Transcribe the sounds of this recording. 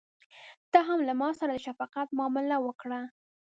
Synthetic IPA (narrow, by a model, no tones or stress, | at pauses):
d̪̥ɑɦamlamɑsaɾad̪əʃafɑqat̪mɑːmɪlawəkɽa